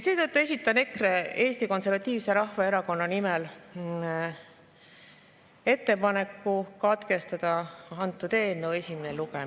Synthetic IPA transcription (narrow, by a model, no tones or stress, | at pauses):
se̞ːt̪ɤt̪ːue̞s̬ʲit̪ːˑɑne̞kre̞e̞ːst̪iko̞nse̞rvɑt̪ʲːˑiːvse̞ɾɑhvɑe̞ɾɑko̞nːɑnimɛl | e̞t̪ːe̞pɑne̞kːˑukɑt̪ke̞st̪ɑd̪̥ɑɑnt̪ːˑud̪e̞ːnːewesʲimeneluɡ̥e